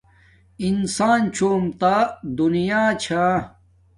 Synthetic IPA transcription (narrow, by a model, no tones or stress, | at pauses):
insaːnt͡ɕoːmt̪ad̪unijaːt͡ɕʰa